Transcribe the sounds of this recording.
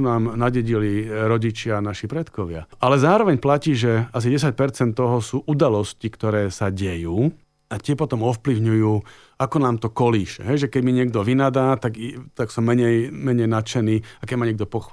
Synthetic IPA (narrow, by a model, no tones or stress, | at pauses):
unaːmnaɟɛɟiliɾɔɟit͡ʃɪanaʃipɾɛt̪kɔʋɪa̰alɛzaːɾɔʋɛɲplaciːʒɛas̬iɟɛs̬ac̚pɛɾt͡sɛnt̪ːɔɦɔsuːʔud̪alɔscikt̪ɔɾɛːsaɟɛjuː | at̪ɛpɔt̪ɔmɔfpliʊɲujuː | akɔnaːmt̪ɔkɔliːʃɛ̰ɦɛjʒɛkɛɟmiɲɪɛɡd̪ɔʋinad̪aːt̪aɡit̪aksɔmːɛɲɛjmɛɲɛjnat͡ʃɛniːakɛɟmaɲɪɛɡ̚d̪ɔpɔx